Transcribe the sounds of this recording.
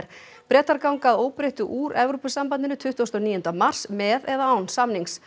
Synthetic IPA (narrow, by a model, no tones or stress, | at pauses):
ɾ̥ | pɾɛːt̪aɾkawŋkaðoːwpɾeht̪ʏʔuːɾɛvɾopʏsampant̪ɪnʏt̪ʰʏht̪vast̪ɔniːjɔnt̪amar̥smɛðɛðaaːwnsamniŋs